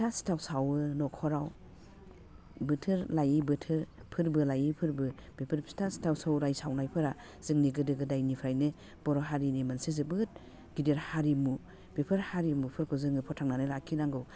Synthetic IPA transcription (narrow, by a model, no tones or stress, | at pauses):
tʰasi̥tʰawsawɯnɔkʰɔɾaw | bɯtʰɯɾlajibɯtʰɯɾpʰɯɾbɯlajipʰɯɾbɯb̥ipʰɯɾsi̥tʰasi̥tʰawsawɾajsawnajpʰɯɾa | z̥ɯŋniɡɯdɯɡɯdajnipʰɾajnɯ | b̥ɔɾɔɦaɾinimansizɯbɯt̚ | ɡ̥ideɾhaɾimu | b̥ipʰɯɾhaɾimupʰɯɾkʰɯzɯŋɯpʰɔtʰaŋnanɯlakʰinaŋɡɯw